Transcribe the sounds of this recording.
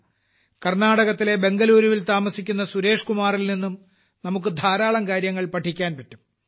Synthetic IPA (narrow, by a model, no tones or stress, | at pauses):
kɐrnaːɽɐɣɐt̪ːile̞be̞ŋɡɐluːɾuʋilt̪aːmɐsikʲːun̪ːɐsuɾe̞ːʂkumaːrilninːum | nɐmuk̬ːɨd̪ʱaːɾaːɭɐmkaːɾjɐŋːɐɭpɐʈʰːikʲːaːnpɐtːum